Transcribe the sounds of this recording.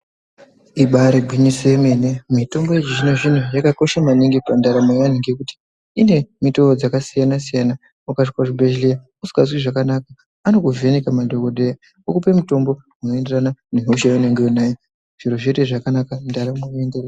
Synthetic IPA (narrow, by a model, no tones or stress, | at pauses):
iɓaɾeɡʱwiɲisemenemito̞mbo̞et͡ʃiʐine̞ʐin̤ujakako̞ʃamaniŋɡipandaɾamajaniŋɡekuti̥ː | ne̞mito̞od͡zakasijanasijana | ukaʂkwaʐibʱeʒlija | usi̥kas̬wiʐakanaka | ano̞kuve̞nekamadʱokoɗe̞ja | okupemuto̞mbo̞ | uno̞e̞nderananeɦuʃaune̞ŋɡeunajo | ʐ̥iɾoʐeteʐakanakandaɾamajoenderea